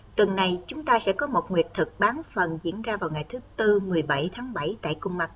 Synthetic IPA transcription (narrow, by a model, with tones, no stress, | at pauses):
t̪wə˨˩nːa˨˩jt͡ɕʊ˨˦ŋ͡mt̪aː˧sɛ̰˧˥kɔ˨˦mo˨˩t̚ŋwi˨˩ət̚t̪ʰɨ˨˩k̚ɓaː˨˦nfə˨˩nzḭ˧˥ənzaː˧vaː˨˩wŋa˨˩jt̪ʰɨ˨˦t̪ɨ˧mɨ˨˩əjɓə˧˩jt̪ʰaː˨˦ŋɓə˧˩jt̪a̰ː˧˨jkʊ˧ŋ͡mma˨˩t̚